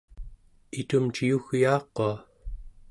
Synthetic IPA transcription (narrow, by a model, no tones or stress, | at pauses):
it̪umt͡ʃijuɣjɑːqːoa